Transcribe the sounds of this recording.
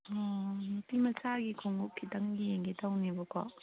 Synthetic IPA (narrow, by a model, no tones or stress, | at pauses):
ɔnutimɐsaɡikʰoŋupkʰːitɐŋɡieŋɡetʰawnibɔkɔ̰